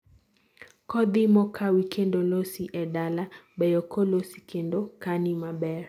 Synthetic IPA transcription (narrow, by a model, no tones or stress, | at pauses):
kɔd̪imɔkʰawikʰendolosiʔɛdalabɛjɔkʰolosi̥kʰendokanimabɛɾ